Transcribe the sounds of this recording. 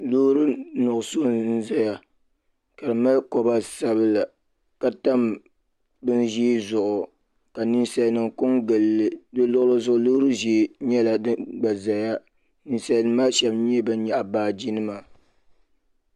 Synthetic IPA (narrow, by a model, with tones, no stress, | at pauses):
lo˦ɾɨ˦nʊ˨ʔʊ˨so˦n̩˦za˦ja˨ | ka˨ɾɨ˨ma˦lko˦ba˦sa˦bɨ˦la˨ | ka˨ta˦m | bɨ˦nʒiː˦zʊ˨ʔʊ˨ | ka˨ni˦nsa˨nɨ˨ŋkʊ˦ŋɡɨ˨lːɨ˨dɨ˦lʊ˦lɨ˦zʊ˦ʔʊ˨lo˦ɾɨ˦ʒe˨ɲɛ˦la˨dɨ˦ɡ͡ba˨za˨ja˦ | ni˨nsa˨nɨ˦maː˦ʃɛ˨bɲ˦ɛ˦bɨ˦ɲa˨ʔa˨baː˦d͡ʒi˦nɨ˦ma˨